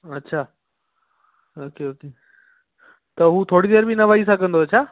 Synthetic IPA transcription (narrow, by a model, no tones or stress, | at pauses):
ɐtːɕʰaː | oːkeoːke | t̪ɐɦuːt̪ʰoːɽid̪eəɾbʱinɐʋaisakə̃nd̪oɐtːɕʰaː